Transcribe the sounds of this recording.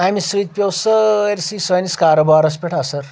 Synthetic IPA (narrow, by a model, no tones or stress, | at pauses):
amisɾit̪̚pʲewsəeɾsisɐjniskaɾobaːɾɐs̬pʲeʈʰasɐɾ